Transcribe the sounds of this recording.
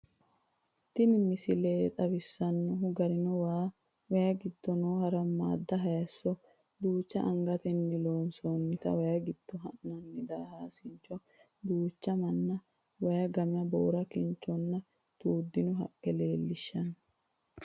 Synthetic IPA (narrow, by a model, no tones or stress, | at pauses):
t̪ɪnɪmɪsɪleːt̪ʼɐbɪsːɐnːʊɦʊɡɐɾɪnɔwaː | wɐjɐɡɪd̪ːɔnoːhɐɾɐmːa̰ːd̪ːɐɦɐjɐsːɔ | d̪uːt͡ʃːɐ̰ʔɐŋɡɐt̪ɛnːɪlo̞ːnsɔnːɪt̪ɐ̰wɐjɐɡɪd̪̥ːɔɦɐʔnɐnːɪd̪aːhaːsɪɲt͡ʃːɔ | d̪uːt͡ʃːɐmɐnːɐ | wɐjɐɡɐmɪjɐbo̰ːɾɐkɪnt͡ʃːɔnːɐ | t̪uːd̪ːɪnʊɦɐ̰kʼːɛle̞ːlːɪʃːɐn